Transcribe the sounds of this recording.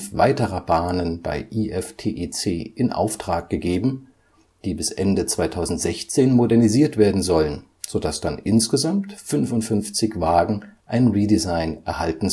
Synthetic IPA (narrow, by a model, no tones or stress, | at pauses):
fva̰ɪtəʁɐbaːnənb̥a̰ɪʔiːʔɛftʰeːʔeːt͡seːʔɪnʔa̰ʊftʁ̥aːk̚ɡ̥əɡeːbm̩ | d̥iːbɪsʔɛndət͡sv̥aɪtʰaʊzn̩tz̥ɛçt͡seːnmodɛɐniziːɐtv̥eːɐdn̩zɔlən | z̥odasd̥anʔɪnsɡ̥əzamtfʏnvʊntfʏnft͡sɪçv̥aːɡŋ̩ʔaɪnʁiːdizaɪnʔɛɐhaltn̩